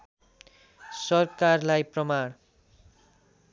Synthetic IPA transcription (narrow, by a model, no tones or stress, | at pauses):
sʌrkarlajprʌmaɽ̃